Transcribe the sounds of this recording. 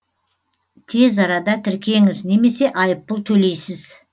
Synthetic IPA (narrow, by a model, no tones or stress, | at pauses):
t̪ʰe̞zɑɾɑd̪ɑt̪ʰɪɾkʲe̞ŋɪzne̞me̞se̞ʔɑjəpːəlˠt̪ʰɵle̞jsɪz̥